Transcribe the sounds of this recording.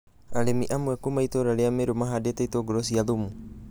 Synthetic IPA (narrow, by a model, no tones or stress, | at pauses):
alemiʔamuakumait̪oɾaleameɾumaɦadet̪ait̪oɡɾos̬ialumu